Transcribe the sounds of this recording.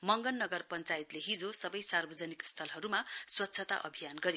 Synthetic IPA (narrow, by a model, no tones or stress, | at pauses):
mʌŋɡʌnːʌɡʌrpʌnt͡sajit̪leɦid͡zosʌbʌjsarbʌd͡zʌnikst̪ʰʌlɦʌɾumaswʌt̪ːsʰʌt̪a̰ʔʌ̰bʱijanɡʌɾe